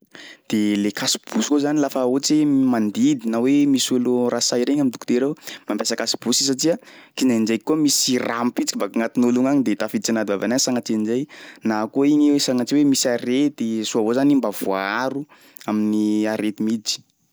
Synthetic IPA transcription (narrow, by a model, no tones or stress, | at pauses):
d̪̥elekasi̥b̥usi̥kozanilafaut͡simand̪id̪inawemisulurasajɾeɲamid̪u̥kud̪eɾewmampesakasi̥b̥usis̬aʈ͡ʂiakinand͡ʒejkːuamisirampit͡si̥kibakŋat̪inuluŋaɲid̪et̪afid̪it͡sanad̪ivava̰nasaŋat͡sind͡ʒejnakoiɲesaŋat͡ʃiwemisaɾet̪isuavozanimbav̥uaaɾu | aminiaɾet̪imid͡zi̥